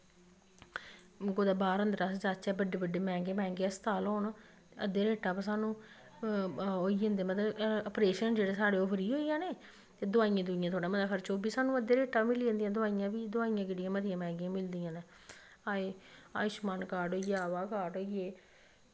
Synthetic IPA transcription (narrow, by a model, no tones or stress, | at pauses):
ɡoːd̪aːbaːɾə̃nd̪ɾaːsd͡ʒaːt͡ʃɛːbəɖeːbəɖeːmɛ̃ːɡeːmɛ̃ːŋɡeːst̪aːlɦoːn | t̪eəd̪eːɾeːʈaːpasaːnũː | oːiẽːnd̪eːmət̪əəpɾeːʃənd͡ʒeːɽeːsaːɽeːoːpʰəɾiːɦoːijãːneː | t̪eːd̪ʊaːijãːd̪ʊijãt̪ʰoːɽaːmət̪aːkʰəɾt͡ʃoːbiːsaːnũːəd̪ːeːɾeːʈaːmɪliːə̃nd̪ijãːd̪ʊaːijãːbiːd̪ʊaːijãːkeɽijãːmət̪ɪjãːmɛ̃ːŋɡãːmɪld̪ijãːnẽː | aːeːa̰ːɪʃmaːnkaːʈoːiaːʋaːkaːʈɦoːieː